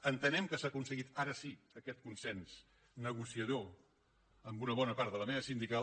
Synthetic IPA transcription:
ənt̪ənɛmkəsaːkunsəɣit̪aɾəsiəkɛt̪̚kunsɛnz | nəɣusiəðo | əmbunəβ̞ɔnəpaɾt̪ðələmeβəsind̪ika

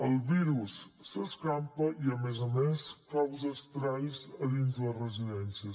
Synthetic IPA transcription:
əlˠbiɾusːəskampəiəmezəmeskawzəst̪ɾajzəðinzdərəziðɛnsiəs

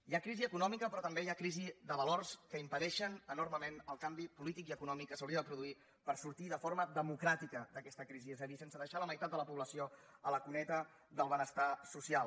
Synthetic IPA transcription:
jakɾiziəkunɔmikəpɾɔt̪əmbejakɾizid̪əβəlorskəimpəɾɛʃənənurməmenəlˠkambipulit̪ik̬iəkunɔmikːəsəwɾiəðəpɾuðui | pəɾsuɾt̪iðəfoɾməðəmukɾat̪ikəd̪əkɛst̪əkɾiziɛzəðisensəðəʃaləməjt̪at̪̚d̪ələpuβləsioələkunɛt̪ə | d̪əlˠβənəst̪asusialˠ

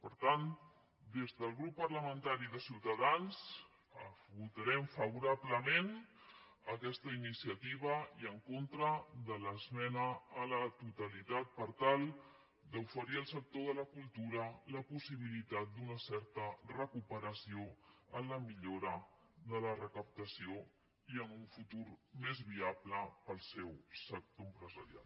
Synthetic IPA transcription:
pəɾt̪an | d̪ezðəlˠɣɾupːərləmənt̪aɾiðəsiwt̪əðanz | əfβut̪əɾɛmfəβuɾaβləmen | əkɛst̪əinisiət̪iβ̞əiəŋkont̪ɾəðələzmɛnəːlət̪ut̪əlit̪at̪̚pəɾt̪alˠ | d̪əufəɾiəlˠsək̚t̪oðələkulˠt̪uɾələpusiβ̞ilit̪at̪̚d̪unəsɛɾt̪ərəkupəɾəsioənləmiʎoɾə | ðələrəkəp̚t̪əsio | iənuɱfut̪uɾmezβiabləpəlˠsɛwsək̚t̪oəmpɾəzəɾija̰l

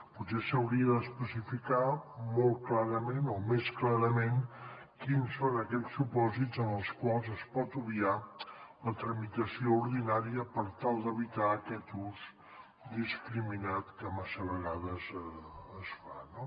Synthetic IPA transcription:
putsesəwɾiəðəspəsifikamolˠt̪̚klaɾəmenomesklaɾəmen | kinsonəkɛsːupɔzitzənəlˠskwalˠzəspɔt̪uβialət̪ɾəmit̪əsiouɾðinaɾiəpəɾt̪alˠd̪əβit̪aːkɛt̪uz | d̪iskɾiminat̪kəmasəβəɣaðəzəsfano

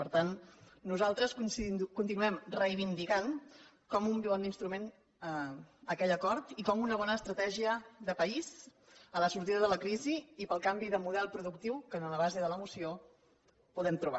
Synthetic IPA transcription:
pəɾt̪anːuzalˠt̪ɾəskkunt̪inuɛmrəjβind̪iɣan | kɔmumbiand̪inst̪ɾumen | əəkɛʎəkɔɾt̪ikɔmunəβ̞ɔnəːst̪ɾət̪ɛʒiəðəpəiz | ələsuɾt̪iðəðələkɾiziːpəlˠkambiðəmuðɛlˠpɾuðukt̪iwkənələβ̞azeðələmusio | puðɛmt̪ɾuβa̰

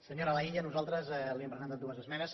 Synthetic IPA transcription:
səɲoɾəlaiʎənuzalˠt̪ɾəzɛliəmpɾəzə̃nt̪at̪̚uəzəzmɛnəs

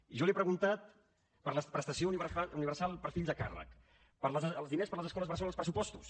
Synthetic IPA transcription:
iʒɔliepɾəɣunt̪at̪̚ | pəɾləspɾəst̪əsiouniβəauniβərsalˠpəɾfiʎzðəka̰rə̰k | pəɾləzəəlˠzðinespəɾləzəskɔləzβəɾsɔləlˠspɾəsupɔst̪us

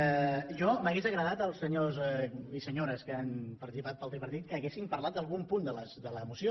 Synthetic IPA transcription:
ʒɔməɣezəɣɾəðat̪əlˠsəɲozɛisəɲoɾəskəanpəɾsipat̪̚palˠt̪ɾipəɾt̪it̪̚kəːɣesimpəɾlat̪̚d̪əlˠɣumpund̪ələsd̪ələːmusio

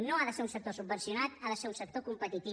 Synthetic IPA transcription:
noaðəseɾunsək̚t̪osub̚bənsijunat̪aðəseɾunsək̚t̪okumpət̪it̪i

